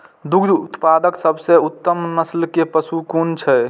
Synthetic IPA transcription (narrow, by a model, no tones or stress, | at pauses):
d̪uɡd̪ut̪pad̪əksəbʱseut̪ːəmnəslkepəsukunt͡ʃʰɛ